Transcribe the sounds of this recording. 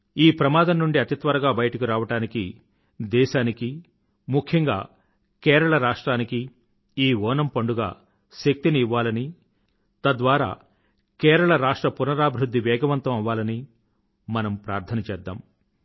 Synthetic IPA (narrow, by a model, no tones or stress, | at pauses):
iːpɾɐmaːd̪ɐmnuɳɖiɐt̪it̪ʋɐɾɐɡaːbɐjɐʈɐkuɾaːʋɐʈaːniki | d̪ɛːʃaːniki | mukʰjɐŋɡaː | kɛːɾɐɭɐɾaːʂʈɾaːnikiː | ʋɔːnɐmpɐɳɖuɡa̰ː | ʃek̚t̪iniiʋːaːlɐni | t̪ɐd̪ʋaːɾa̰ː | kɛːɾɐɭɐɾaːʂʈɾɐpunɐɾaːbʱiɾud̪ʱːiʋɛːɡɐʋɐnt̪ɐmɐʋːaːlɐni | mɐnɐmpɾaːɾt̪ʰɐnɐt͡ʃɛːd̪ːa̰ːm